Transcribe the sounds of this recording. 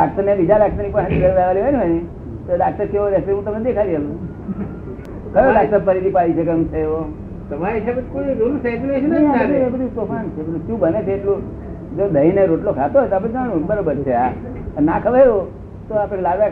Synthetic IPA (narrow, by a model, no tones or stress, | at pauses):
ak̚t̪əɾnebid͡ʒaɾak̚t̪əɾnipaaniɡəɾʋaʋaliɦonieni | t̪oɖak̚t̪əɾkeoɾɛɦseɦũt̪əmned̪ekʰaɾiɦəlũ | kəjoɖak̚t̪əɾpəɾit̪ipalit͡ʃʰekə̃ũt͡ʃʰeːʋo | t̪əmaisʰabəkoid̪onũset͡ʃuleʃnəabəd̪uebəd̪ʱut̪ofant͡ʃʰebəuʃũbənet͡ʃʰeːʈlũ | d͡ʒod̪əineɾoʈlokʰat̪oɦɔjt̪oap̬ãũbəɾobəɾt͡ʃʰea | ənakʰəʋaɾo | t̪oapəɳelaɡʋa